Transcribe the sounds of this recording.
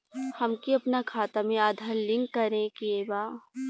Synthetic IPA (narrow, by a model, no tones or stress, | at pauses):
hɐmkiɐpnakʰaːt̪amẽaːd̪ʱaɾlɪ̃ŋɡːɐɾẽkiebaː